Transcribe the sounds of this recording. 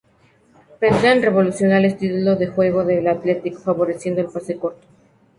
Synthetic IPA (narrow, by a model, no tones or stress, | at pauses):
pend̪eanre̞βo̞lusjonaest̪it̪uloðexwe̞ɣ̞o̞ðelat̪le̞t̪ikfaβo̞ɾe̞sje̞nd̪oelpasekoɾt̪o̥